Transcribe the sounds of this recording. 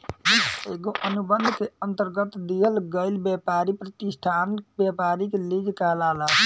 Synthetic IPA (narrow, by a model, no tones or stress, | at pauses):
biseɡoʔənubənd̪ʱkeənt̪əɾɡət̪d̪ijəlɡəɪlbjəpaɾipɾət̪isʈʰanbjepaɾikelid͡ʒkəɦlalə